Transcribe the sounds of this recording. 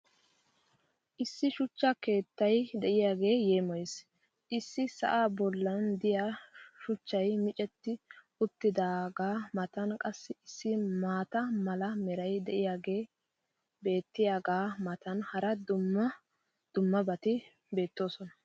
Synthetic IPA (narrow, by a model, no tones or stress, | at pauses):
ʔɪsːɪʃʊt͡ʃːɐke̞ːt̪ːɐjd̪ɛʔɪjaːɡe̞ːjeːmɔjes | ʔɪsːɪsɐ̰ʔaːbɔlːɐnd̪ɪjaʃʊt͡ʃːɐjmɪt͡ʃʼɛt̪ːɪ | ʊt̪ːɪd̪aːɡaːmɐt̪ɐnkʼɐsːɪɪsːɪmaːt̪ɐmɐlɐmɛɾɐjd̪ɛʔɪjaːɡe̞ː | be̞ːt̪ːɪjaːɡaːmɐt̪ɐnhɐɾɐd̪ʊmːɐ | d̪̥ʊmːɐbɐt̪ɪ | be̞ːt̪ːo̞ːsɔnɐ